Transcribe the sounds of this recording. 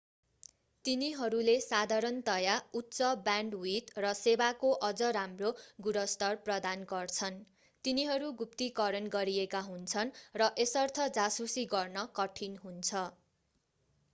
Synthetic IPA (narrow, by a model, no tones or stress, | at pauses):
t̪iniɦʌɾulesad̪ʱaɾʌnt̪ʌjautːsʌbjaɳɖit̪rʌsebakoʔʌd͡zʌɾamroɡuɾʌst̪ʌrprʌd̪anɡʌrt͡sʰʌn | t̪iniɦʌɾuɡupt̪ikʌɾʌnɡʌɾiekaɦunt͡sʰʌnrʌʔesʌrt̪ʰʌd͡zasusiɡʌrnʌkʌʈʰinɦunt͡sʰʌ